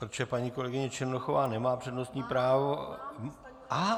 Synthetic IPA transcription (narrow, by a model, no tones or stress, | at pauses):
pɾot̪t͡ʃɛpaɲiːko̞lɛɡɪɲɛt͡ʃɪɾnoxovaːnɛmaːpr̥ɛdnost̪ɲiːpɾaːvo | ʔa